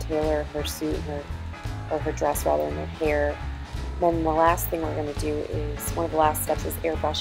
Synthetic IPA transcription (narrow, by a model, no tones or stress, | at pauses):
tʰeɪlˠə˞ə˞siɾɨ̰̃n̩ə˞ə˞ə˞dɹɛsɹæ̰ðə̰˞ɨ̃nə̰˞hɛɹ | ðɨ̃nðəlæs̚θɪ̃ŋwɨɹɡʌnɨdɨɪz̥wʌ̃nʌvðəlæststɛpsɨzɛɹbʌʃ